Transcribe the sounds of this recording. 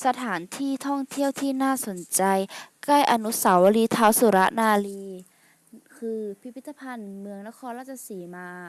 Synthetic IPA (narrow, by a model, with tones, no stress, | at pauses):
sa˧t̪ʰaː˩˦nt̪ʰiː˥˩t̪ʰɔ˥˩ŋt̪ʰi˥˩əwt̪ʰiː˧˥˩naː˥˩so˩˦nt͡ɕa˧jkla˥˩jʔa˧nu˦˥sa˩˦wa˧liː˧t̪ʰaː˧˦˥wsu˨˩˦ɾa˦˥ʔnaː˧liː˧ | kʰɯː˧pʰi˦˥pʰːi˦˥t̪ːa˧pʰa˧nmɯ˧əŋna˧˥kʰɔː˧nɾaː˧˥˩t͡ɕʰːa˧siː˩˦maː˧